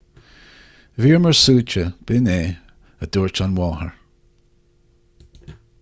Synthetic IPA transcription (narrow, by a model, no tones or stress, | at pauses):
viːɹməɹsuːt͡ʃəb̥ɪneː | əd̪̥uːɹt͡ʃanwɔːhə̰ɹ